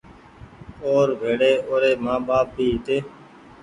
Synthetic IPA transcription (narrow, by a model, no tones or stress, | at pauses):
oːɾʋʱeːɽeːoːɾeːmãːɓaːp̚bʱiːɦɪt̪eː